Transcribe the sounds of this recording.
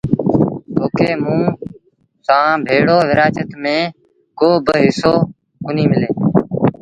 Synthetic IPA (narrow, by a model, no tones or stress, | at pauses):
t̪ʰoːkeːmũː | sãːbʱeːɽoːʋɪɾaːt͡ʃət̪mẽː | koːbəɦɪsoː | kʊniːmɪleː